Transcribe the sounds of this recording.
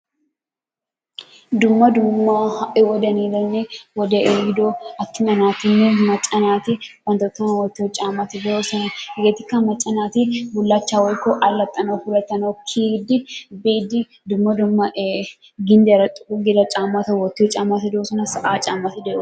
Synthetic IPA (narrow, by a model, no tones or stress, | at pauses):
d̪ʊmːɐd̪ʊmːaʔɪwɔd̪ɐniːd̪ɐnːewɔd̪eʔeɡɪd̪oːɐt̪ːɪmɐnaːt̪ɪnːɪmɐt͡ʃʼːɐnaːt̪ɪwɐnt̪ɔt̪ːɐnɐwɐt̪ːɪɔt͡ʃʼaːmat̪ɪd̪oːsɐnɐɡet̪ɪkːɐmɐt͡ʃʼɐnaːt̪ɪbʊlːaːt͡ʃːaːwɔjkːɔʔɐlːɐt̪ʼːɐnɐwfʊlɐt̪ːɐnɐkʰiːd̪ɪbiːd̪ɪ | d̪ʊmːɐd̪ʊmːɐʔ | ɡɪnd̪eɾɐt̪ʼʊ̥kuɡɪlɐt͡ʃʼaːmːat̪ɐwɔt̪ːɪɔt͡ʃʼaːmat̪ɪd̪oːsɐnɐsɐʔaːt͡ʃʼaːmːɐt̪ɪd̪ɛ